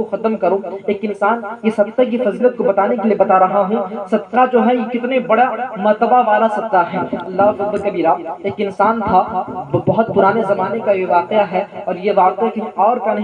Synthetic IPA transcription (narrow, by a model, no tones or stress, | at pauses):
oxɐt̪mkɐɾoeːkɪnsaːnjesɐb̚sək̬ifɐzilət̪̚kobɐt̪aːnekeliebɐt̪aɾɐɦaɦũsɐbt̪ad͡ʒoːɦɛjekɪt̪nebɐɽamɐɾt̪əbaʋaːɾasɐt̪aɦɛ̃ːɐlːaːɦfɪz̚bɐɾkɐbiːɾaːeːkɪnsaːnt̪ʰabɐɦʊt̪̚pʊɾaːnezɐmaːnekajeʋaːqejaɦɛɔːɾjeʋaːqekiɔːɾpɐn